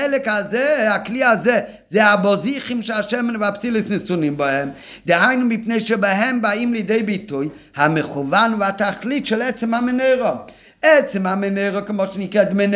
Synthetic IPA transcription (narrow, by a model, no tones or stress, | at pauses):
ɛlˠɪkazeːaklˠiːazeː | zeɪabɔziχɪmʃaʃɛmənvapt͡silˠəsnɪsunɪmbahɛm | dɪaɪnəmbɪpneɪʃəbaɦɛmbaimlˠɪdeɪbitʊj | hamɪχuvanvataχlˠitʃɪlˠɛt͡səmamɪneɪʁɔ | ɛt͡sɪmamɛneɪɾəkɪmɔʃnɪkɛdmɛn